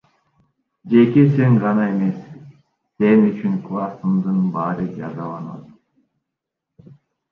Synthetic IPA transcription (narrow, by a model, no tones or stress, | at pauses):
d͡ʒe̞ke̞se̞ɴʁɑnɑe̞me̞sː | e̞nyt͡ʃyŋklˠɑsɯmd̪ɯnbɑɾɯd͡ʒɑzɑlˠɑnɑ̰t̪